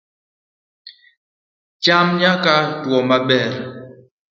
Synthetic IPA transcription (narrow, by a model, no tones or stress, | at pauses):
t͡ʃamɲakatwɔmaɓɛɾ